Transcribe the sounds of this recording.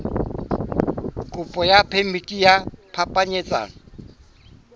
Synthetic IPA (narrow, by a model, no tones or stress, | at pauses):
kʼʊpʼɔjapʰemikʼijapʰapʼaɲɛt͡sʼa̰ːŋɔ